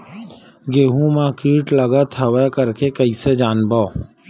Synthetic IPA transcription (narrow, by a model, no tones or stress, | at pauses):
ɡeːɦũmãkiːʈləɡat̪ʰəʋekəɾkekɐised͡ʒaːnbaː